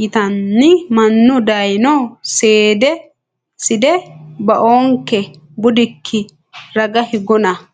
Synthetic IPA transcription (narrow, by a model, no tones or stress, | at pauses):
ɪt̪ɐnːɪmɐnːʊd̪ɐjnɔseːd̪ɛ | sɪd̪ɛbɐʔoːŋkːɛ | bʊd̪ɪkʰːɪ | ɾɐɡɐhɪɡɔnɐ